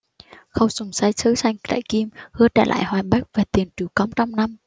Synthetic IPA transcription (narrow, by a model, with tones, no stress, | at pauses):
xə˧wsʊ˨˧˩ŋ͡msaː˧jsɨ˧˦sa˧jŋ̟t̪a̰ː˧˨jki˧mhɨ˧ət͡ɕa̰˧˩lʔa̰ː˧˨jhwaː˨˩jɓa˦˥k̚vaː˨˩t̪i˨˩ənt͡ɕu˨˩wkɔ˧wmt͡ɕɔ˧wmna˧m